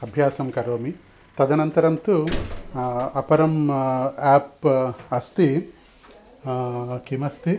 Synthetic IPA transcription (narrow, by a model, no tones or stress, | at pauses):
ɐbʱjaːsɐmkɐɾoːmi | t̪ɐd̪ɐnɐnt̪ɐɾɐmt̪u | ɐpɐɾɐm | aːpɐst̪i | kimɐst̪i